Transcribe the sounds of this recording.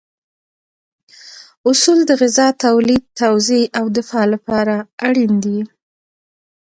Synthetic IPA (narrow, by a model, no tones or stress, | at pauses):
ʊsuld̪əɣɪzɑt̪awlid̪̚t̪awzeʔawd̪ɪfɑlapɑɾaaɽind̪i